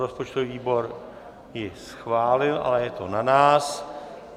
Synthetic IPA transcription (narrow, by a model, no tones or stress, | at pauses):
ɾospot͡ʃt̪oviiːbo̞ɾ | jɪsxvaːlɪlʔa̰lɛjɛt̪onanaːs